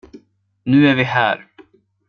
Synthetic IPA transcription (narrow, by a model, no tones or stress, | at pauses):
nʉːæɾvɪɦæ̰ːɾ